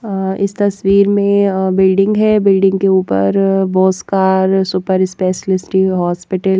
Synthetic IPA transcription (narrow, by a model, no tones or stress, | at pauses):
ɪ̰st̪ɐsʋiːɾmẽbɪlɖɪ̃ŋɡɦɛbɪlɖɪ̃ŋɡkeuːpə̰ɾboːskaːɾsʊpəɾɪspɛːʃəlɪsɪ̥ʈiɦɔːspɪʈəl